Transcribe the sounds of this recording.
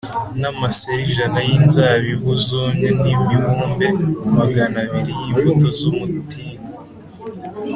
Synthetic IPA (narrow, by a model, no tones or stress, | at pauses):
namaseɾiʒanajinzaːβiβuzoːɲhenimiβuːmbe̞umaɡanaβiɾijiːɱfotozumutʰiːna